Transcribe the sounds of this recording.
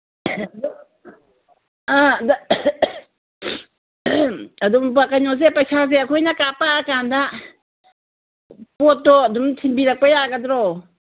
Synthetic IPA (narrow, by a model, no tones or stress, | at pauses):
d | ada | ad̪ɔmp̬akaɲɔzɛpajsʰazɛakʰɔjnakapaakand̪a | pɔt̪ɔd̪ɔmtʰimbiɾak̚pajakad̪ɾɔ